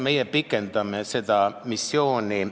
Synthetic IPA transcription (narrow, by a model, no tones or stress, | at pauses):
mejepikːent̪ɑmːesed̪ɑmisːjoːni